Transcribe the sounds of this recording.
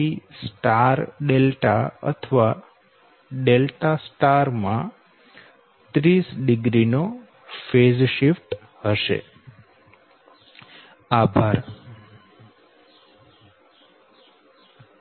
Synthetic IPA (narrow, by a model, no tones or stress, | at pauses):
isʈaɾɖelʈa̰ə̰t̪ʰəʋa | ɖelʈasʈaɾmã | t̪ɾisɖɪɡɾino | fed͡ʒʃifʈ | həʃḛ | abʱaɾ